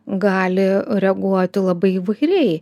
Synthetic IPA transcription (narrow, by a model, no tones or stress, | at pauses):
ɡɑːlʲɪɾʲɛɡuɔt̪ʲɪlˠɐbɐɪiʋɐɪɾʲɛɪ